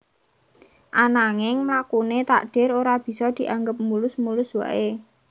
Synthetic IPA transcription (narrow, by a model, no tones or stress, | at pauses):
ʔanaŋɪŋmlakunet̪a̰ʔɖ̥ɪ̤ɾoɾab̥i̤sɔd̪̥i̤ʔaŋɡəp̚mulʊsmulʊswa̰ʔe